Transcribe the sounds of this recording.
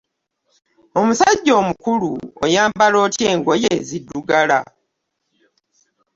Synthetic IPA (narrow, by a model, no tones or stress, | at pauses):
o̞musaɟːo̞ːmukuluo̰jaːmbalo̞ːtje̞ːŋɡo̞jezidːuɡala̰